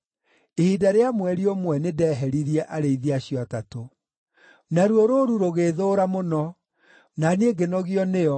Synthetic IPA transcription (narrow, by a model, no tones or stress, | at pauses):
ehidaɾeamwɛɾiomwɛnedɛːɦɛɾiɾiɛʔaɾeiðiaɕjɔatato | naɾuoɾoɾuɾoɣeːðoːɾamonɔ | naneɡenɔɣiɔnejɔ